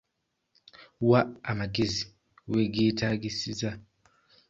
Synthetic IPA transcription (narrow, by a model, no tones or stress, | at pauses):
waamaɡizi | weɡitʰaɡisiza